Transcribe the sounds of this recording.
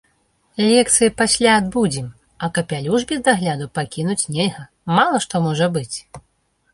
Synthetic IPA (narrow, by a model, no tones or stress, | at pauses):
lʲɛk̚t̪sɨjipasʲlʲaːd̪bud͡zʲim | ɐkɐpʲalʲuʐbʲizd̪aɣlʲad̪upakʲinut͡sʲnʲɛlʲɣɐ | malˠɐʂt̪ɔmɔʐɐbɨt͡sʲ